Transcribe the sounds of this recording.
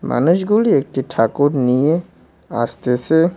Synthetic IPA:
mʔa̰ːnʊʃɡuliek̚ʈiʈʰaːkoɾnije | aːst̪ese

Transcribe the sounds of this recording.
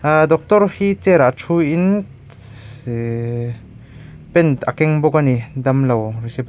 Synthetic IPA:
d̪ɔk̚t̪ɔɾhit͡sɛɾaʔtʰuin | pɛnt̪ɐkɛŋbɔkanid̪ɐmlɐwrisip

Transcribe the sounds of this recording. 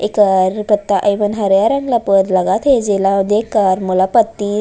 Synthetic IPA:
ekaɾpət̪ːaʔəjʋənɦəɾjaɾəŋɡlapəɾləɡat̪ʰed͡ʒelad̪ekːaɾmulapət̪ːi

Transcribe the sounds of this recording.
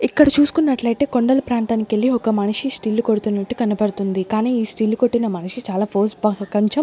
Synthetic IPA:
ikːɐɽɐt͡ʃuːsu̥kunːɐʈlɐjt̪e̞ːko̞ɳɖɐlɐpɾaːnt̪aːnikelːiɔkɐmɐnɐʂisʈiːlːukoɽut̪unːɐʈːukɐnɐpɐɽut̪und̪ikaːniːiːsʈiːlːukoʈːinɐmɐniʂit͡ʃaːlaːpʰoːsbɐɐkɐɲt͡ʃɐm

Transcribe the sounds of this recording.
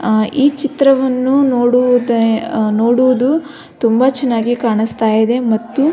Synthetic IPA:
iːt͡ʃit̪ɾɐʋɐnːunoːɽud̪noːɽuʋud̪u | t̪umbɐt͡ʃɛnːaːɡikaːɳist̪aːjid̪e̞mɐt̪ːu

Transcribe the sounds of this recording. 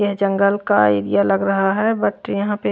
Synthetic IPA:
ɛɦd͡ʒə̃ŋɡəlka̰iɾijaləɡɾɐɦaɦɛbəʈjɐɦãpe

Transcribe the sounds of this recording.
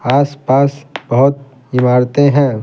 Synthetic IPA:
aːspaːsb̥ɐɦʊt̪̚ | ɪmaːɾt̪eɦɛ̃ː

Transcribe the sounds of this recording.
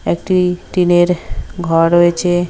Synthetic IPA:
ɛk̚ʈiʈineɾɡʱɔɾɾoet͡ɕʰe

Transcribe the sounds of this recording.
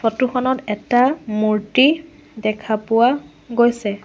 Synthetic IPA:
fʰɔtuxɔnɔtɛtamuɹti | dɛkʰapʊwa | ɡojsɛ

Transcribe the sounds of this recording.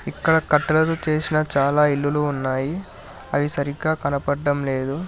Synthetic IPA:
ikːɐɽɐkɐʈːɐlɐt̪ot͡ʃe̞ːsinɐt͡ʃaːlaːilːuluːnːaːji | ɐʋisɐɾiɡaːkɐnɐpɐɖːɐmle̞ːd̪u

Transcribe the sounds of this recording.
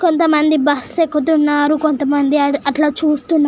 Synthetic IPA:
ko̞nt̪ɐmɐnd̪ibɐsekːut̪̬unːaːɾukont̪ɐmɐnd̪iɐʈlaːt͡ʃuːst̪unː

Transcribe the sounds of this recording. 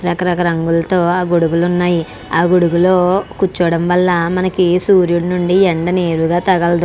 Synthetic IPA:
ɾɐkɐɾɐkɐɾɐŋɡulɐt̪o̞ːaːɡuɽuɡulunːaːji | aːɡuɽuɡuloːkut͡ʃːɔːɽɐmʋɐlːɐmɐnɐkisuːɾjuɽɐnuɳɖieɳɖɐneːɾuɡaːt̪ɐɡɐlɐd̪u

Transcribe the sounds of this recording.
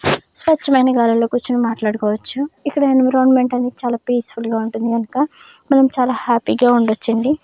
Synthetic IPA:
sʋɐʈːɐmɐjnɐɡaːlɐlo̞ːkuɾt͡ʃːinumaːʈlaːɽukɔːʋɐt͡ʃːuikːɐɽɐajnɐmɾɐwnmeɳʈɐnt̪et͡ʃaːlaːpiːsfulɡaːuɳʈund̪iɡɐnukɐmɐnɐmut͡ʃaːlaːhaːpiːɡaːuɳɖot͡ʃːɐɳɖi

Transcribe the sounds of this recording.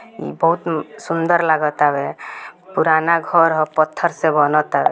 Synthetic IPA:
ḭbəɦut̪sund̪əɾlaɡɔt̪abepuɾanaɡʱəɾɦɔpət̪ʰːəɾsẽbənɔt̪abe

